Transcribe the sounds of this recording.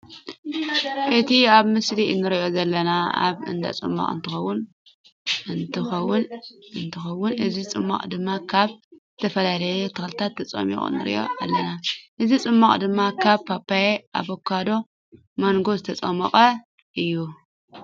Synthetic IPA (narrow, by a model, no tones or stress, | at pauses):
ʔɨt̪ʰiaβmɨsliɨnːɨɾiʔo̞zɐlːɐnaa̰βɨ̰nd̪a̰t͡sʼɨ̰mːa̰χʼɨ̰nt̪ʰɨxɐwːʊn | ɨnt̪ʰɨxɐwːʊnɨnt̪ʰɨxɐwːʊnʔɨzit͡sʼɨ̰mːa̰kʼd̪ɨmːakʰaβzɨt̪ʰɐfɐlalɐjet̪ʰɨxlɨt̪ʰat̪ʰːɐt͡sʼɐ̰mḭkʼɨ̰nːɨ̰ɾḭʔo̞̰ʔalːɐnaʔɨzit͡sʼɨmːaχʼd̪ɨmːakʰaβpʰapʰːajeʔa̰βokʰad̪o̞ | manɡo̞zɨt̪ʰɐt͡sʼɐmɐqʼɐ | ʔɨjːu